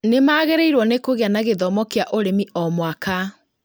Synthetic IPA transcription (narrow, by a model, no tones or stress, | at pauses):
nemaːɣɛɾeiɾwɔnekoɣeanaɣeðɔmɔkeaʔoɾemiɔmwaka